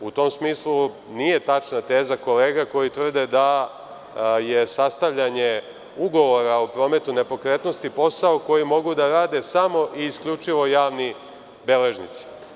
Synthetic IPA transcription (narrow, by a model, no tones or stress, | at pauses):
ut̪o̞msmiːslˠu | nije̞t̪at͡ʃnat̪e̞ːzako̞le̞ːɡako̞jit̪ʋr̩d̪ed̪a | je̞sast̪aʋʎaɲe̞ | uɡo̞ʋo̞ɾaopɾo̞ːme̞t̪une̞po̞kɾe̞t̪no̞st̪ipo̞saoko̞jimo̞ɡud̪aɾaːd̪e̞samo̞ʔiːskʎʲut͡ʂiʋo̞jaːʋni | be̞le̞ʒnḭt̪si̥